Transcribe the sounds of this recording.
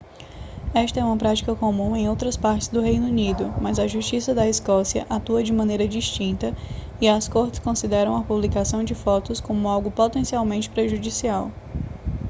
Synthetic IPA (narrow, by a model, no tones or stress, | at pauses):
ɛʃt̪ɐɛũmɐpɾat͡ʃi̥kɐkõmũẽj̃owt̪ɾɐspaɾt͡ʃɪzd̪ʊɦejnunid̪ʊmɐzɐʒuʃt͡ʃisɐd̪ɐiskɔsiɐ̰ʔat̪uɐd͡ʒɪmɐ̃nejɾɐd͡ʒiʃt͡ʃĩnt̪ɐ | iɐskoɾt͡ʃɪ̥skõsid̪ɛɾɐ̃w̃ɐpublikasɐ̃w̃d͡ʒɪfɔt̪ʊskõmʊawɡʊpot̪ẽsiawmẽnt͡ʃɪ̥pɾeʒud͡ʒisiaw